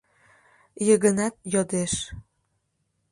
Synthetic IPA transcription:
jəɣə̆nɑt̪̚jod̪eʃ

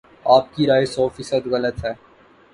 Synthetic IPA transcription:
aːp̚kiɾaːesɔːfiːsəd̪ɣɐlət̪ɦɛː

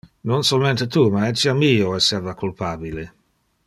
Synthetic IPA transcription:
nonsolment̪et̪uːmaɛt͡ʃːiamiːoɛsːɛrvakulpaːbile

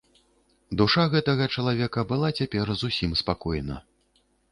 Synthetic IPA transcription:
d̪uʂaɣɛt̪ɐɣɐt͡ʂɐlˠavʲɛkɐbɨlˠat͡sʲapʲɛrzusʲimspakɔjnɐ̰

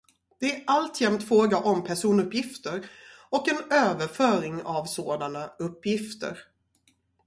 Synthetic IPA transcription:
d̪̥ɛæʔalt̪ʰjɛmt̪fɾoːɡaʔɔmpʰæʂuːnɵpjɪft̪əɾɔkɛnøːvəɾfœːɾɪŋavsoːd̪anaɵpːjɪft̪ə̰ɾ

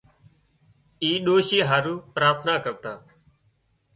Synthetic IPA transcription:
iːɗoːʃiːɦaːɾuːpɾaːt̪ʰnaːkəʋ̚t̪aː

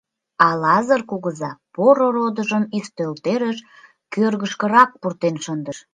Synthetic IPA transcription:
ɑlɑzərkuɣəzɑpoɾoɾod̪əʒəmist̪ølt̪eɾəʃ | kørɣəʃkə̆ɾɑk̚purt̪enʃənd̪əʃ

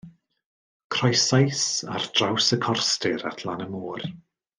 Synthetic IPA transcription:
kʰrɔjsajsa̰rd̥rawsəkʰɔrstɪɾa̰tʰlˠanəmuːr

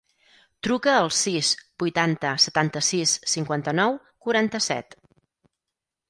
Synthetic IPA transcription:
t̪ɾukəːlˠsisb̥ujt̪ant̪əsət̪ant̪əsisːiŋkwant̪ənɔw | kuɾant̪əsɛ̰t̪

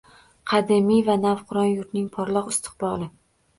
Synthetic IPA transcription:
qʰɑd̪ɪmijvanavqʰʊɾɒnjʊɾt̪nɪŋpʰɒɾlˠɒqɪst̪ʰɪ̥q̚bɒlˠɪ

